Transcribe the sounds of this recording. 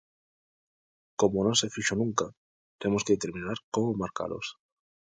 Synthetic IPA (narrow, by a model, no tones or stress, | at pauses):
komonõŋsefiʃonũŋka | t̪emoskeðet̪eɾmĩnaɾkomomaɾka̰lo̰s